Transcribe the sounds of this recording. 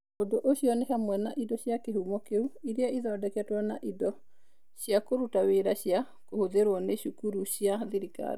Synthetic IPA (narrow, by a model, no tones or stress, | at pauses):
ondoʔoɕiɔnehamwɛnaʔidɔɕjakehumɔkeuiɾeaiðɔːdɛkɛtwanaʔidɔ | ɕijakoɾutaweɾaɕja | kohoðeɾwɔneɕukuɾuɕjaðeɾika̰ɾ